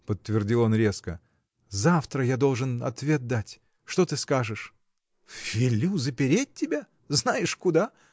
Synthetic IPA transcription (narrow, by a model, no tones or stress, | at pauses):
pət̪ːvʲɪrdʲilˠo̞nɾʲe̞skə̰ | zaft̪ɾəjad̪o̞lˠʐɨnɐ̰t̪vʲe̞t̪̚d̪atʲ | ʂt̪ot̪ɨskaʐɨʂ | fʲɪlʲːuzəpʲɪɾʲet̚ʲtʲːɪbʲa | znajɪʂkʊd̪a